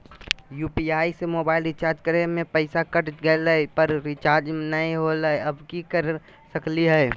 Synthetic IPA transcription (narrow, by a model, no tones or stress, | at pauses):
juːpiaːisemoːbaːɪlɾɪt͡ʃaːɾd͡ʒkəɾemẽpəɪsakəʈɡəeləipəɾɾɪt͡ʃaːɾd͡ʒnəĩɦoləjɐbkikəɾ | səkliɦɛː